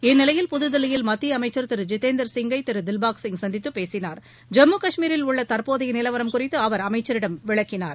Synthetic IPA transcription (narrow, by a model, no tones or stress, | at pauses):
ɛnːɪlɐjɪlpʊðɯðɐlɪjɪlmɐt̪ːijɐmɐɪt͡ʃːɐɾt̪ɪɾɯd͡ʒɪt̪ːeːnd̪ɐɾsɪŋɡɐɪt̪ːɪɾɯd̪ɪlbaːksɪŋɡsɐnd̪ɪt̪ːɯpeːsɪnaːɾ | d͡ʒɛmːukɐʂmiːɾɪlʊɭːɐt̪ɐɾpoːðɐjɐnɪlɐʋɐɾɐmkʊrɪt̪ːɯɐʋɐɾɐmɐɪt͡ʃːɐɾɪɽɐmʋɪɭɐkːɪnaːɾ